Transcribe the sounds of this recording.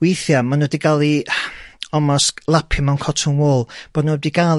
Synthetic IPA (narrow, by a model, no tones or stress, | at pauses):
wejθjamanodiɡalˠi | ɔmɔslˠapʰɪmawnkʰɔtʰʊnwoːlˠb̥ɔdnodiɡal